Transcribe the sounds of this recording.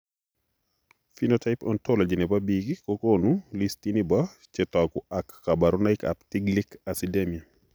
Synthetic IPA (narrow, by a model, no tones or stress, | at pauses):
finotaɪpɔ̰ntɔlɔd͡ʒinɛbabiɡikokonulistinibat͡ʃɛtɔkʊakːabaɾɔnaɪka̰ptiɡlikasidemia